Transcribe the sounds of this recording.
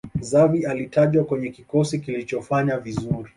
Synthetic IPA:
zavialitaʄwakwɛɲɛkikɔsikilit͡ʃɔfaɲavizuɾi

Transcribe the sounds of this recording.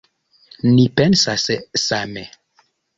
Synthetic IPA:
nipɛnsassame

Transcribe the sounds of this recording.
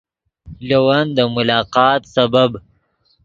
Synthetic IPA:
lowand̪əmʊlɑːqɑːt̪sabab

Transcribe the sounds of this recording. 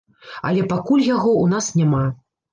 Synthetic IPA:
ɐ̰lʲɛpakulʲjaɣɔunasnʲama

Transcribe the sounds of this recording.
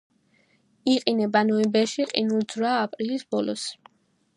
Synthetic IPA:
iqʼinɛbanɔibɛʃiqʼḭnulˠd̪zɾaːpʼɾilisbɔlɔ̰s

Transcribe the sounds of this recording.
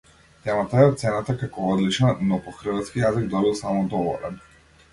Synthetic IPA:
t̪ɛmat̪aɛɔt̪t̪sɛnat̪akakɔɔd̪lit͡ʃnanɔpɔxr̩vat̪skijaziɡd̪ɔbilˠsamɔd̪ɔvɔ̰lɛ̰n

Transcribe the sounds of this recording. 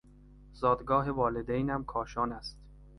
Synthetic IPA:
zɒːd̪ɡɒːɦe̞vɒːled̪ejnæmkʰɒːʃɒːnæst̪

